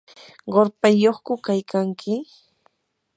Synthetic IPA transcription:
ɢoɾpajoχkʊkajkaŋkʰɪ

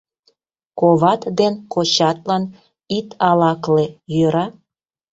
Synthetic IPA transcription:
koβɑt̪d̪enkot͡ɕɑt̪lɑn | it̪ʰɑlɑklejøɾɑ

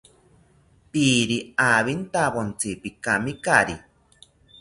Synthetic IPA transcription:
piːɾiaβint̪aβont͡sipikamikaɾi

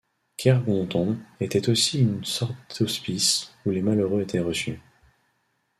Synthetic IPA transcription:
kʰʲɛʁɡɔ̃t̪ɔ̃et̪ɛt̪osiynsɔʁt̪ospisulemaløʁøet̪ʰɛʁəsy̰

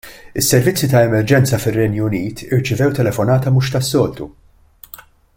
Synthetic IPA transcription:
ɪsːɛɾvɪt͡sːit̪ɐɛmɛɾd͡ʒɛnt͡sɐfɪrːɛnjʊniːt̪ʰɪɾt͡ʃɪvɛwt̪ɛlɛfɔnɐːt̪ɐmʊːʃt̪ɐsːɔːlt̪ṵ

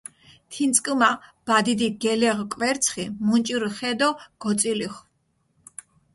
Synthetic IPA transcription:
t̪ʰint̪sʼkʼmab̥ad̪id̪iɡɛlɛʁkʼvɛɾt̪sʰχimunt͡ʃʼiɾχɛd̪ɔɡ̥ɔt̪sʼiliχ

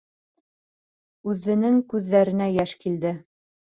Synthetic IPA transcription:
ʉðːɘ̆nɘŋkʉðːæɾɘ̆næjæʃkild̪ɘ

